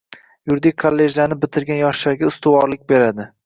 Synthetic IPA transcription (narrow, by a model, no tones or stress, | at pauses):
jʊɾd̪ɪkʰolːe̞ʒlaɾnɪbɪt̪ʰɪɾɡʲanjɒʃlaɾɡʲaʊst̪ʊwɒɾlɪk̚ʲbe̞ɾad̪ɪ